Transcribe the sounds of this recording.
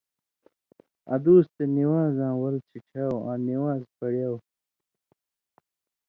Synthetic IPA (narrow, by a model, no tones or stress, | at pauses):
ɐ̰d̪uːst̪eniwãːzãːwɐlt͡sʰiʈ͡ʂʰaːwã̰ːniwaːzpɐɽjaːw